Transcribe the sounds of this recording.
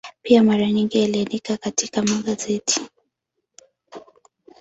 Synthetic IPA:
piamaɾaɲiŋɡialianikakatikamaɡazɛti̥

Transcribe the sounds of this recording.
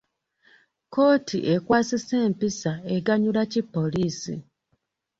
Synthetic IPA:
ko̞ːtʰḭʔe̞kwaːsise̞ːmpisaeɡaɲulacipːo̞liːsḭ

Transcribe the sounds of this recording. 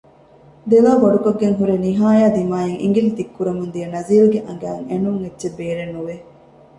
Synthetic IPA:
d̪eʋaːʋɐɖukɐɡːeŋɦuɾeniɦaːjaːd̪imaːjeŋʔḭŋɡilt̪ikːuɾɐmund̪ijɐnɐziːluɡeʔɐŋɡæːŋenuŋetːʃebːeːɾenːuʋe

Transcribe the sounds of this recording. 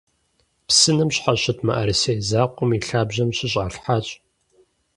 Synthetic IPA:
psɨnɨmɕħaɕɐtʰmɐ̰ʔɐɾɨsejzaːqʷʼʊmiɬaːbʑɐmɕɪɕ̬ʼaːɬħaːt͡ʃʼ

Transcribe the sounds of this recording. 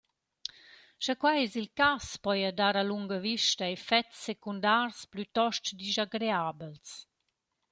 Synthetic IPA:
ʃakwajɛsilkaspɔjadaɾaluŋɡəviʃtəefɛtsːekundarsplyt̪ɔʃt͡ʃdizaɡɾeabəls

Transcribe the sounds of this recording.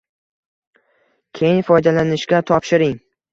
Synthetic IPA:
kʲʰe̞jɪnfɒjd̪alanɪʃkʲat̪ʰɒpʃɪɾɪŋ

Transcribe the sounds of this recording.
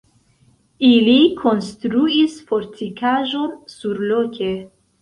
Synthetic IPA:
ilikʰo̞nstɾuisfo̞ɾtʰikʰaʒo̞nsuɾlo̞kʲʰe

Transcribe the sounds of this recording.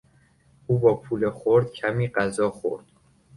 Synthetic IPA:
ʔuːbɒːpʰuːlexoɾd̪̥cʰæmiːɢæzɒːxo̰ɾd̪̥

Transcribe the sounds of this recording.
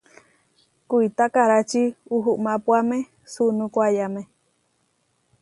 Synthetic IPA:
kuit̪akaɾat͡ʃiuɦuʔmãpuamẽ | sunũkwajamẽ

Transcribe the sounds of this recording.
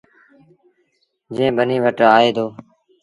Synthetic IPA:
d͡ʒẽːɓəniːʋəʈaːeːd̪oː

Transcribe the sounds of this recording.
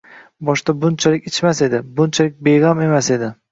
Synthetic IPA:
bɒʃt̪abʊnt͡ʃʰalɪkʲɪt͡ʃʰmase̞d̪ɪbʊnt͡ʃʰalɪk̚ʲbeʁame̞mase̞d̪ɪ

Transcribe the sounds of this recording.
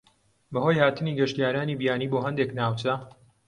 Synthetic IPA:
bɐhoːjhaːt̪ɨniɡɐʃt̪ijaːɾaːnibijaːniːboːɦɐnd̪eknaːwt͡ʃɐ

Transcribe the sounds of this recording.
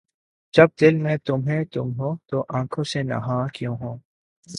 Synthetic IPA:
d͡ʒɐb̚d̪ɪlmɛ̃t̪ʊmɦɛt̪ʊmɦõːt̪oʔãːkʰõsenɐ̰ɦãːkjõːɦõː

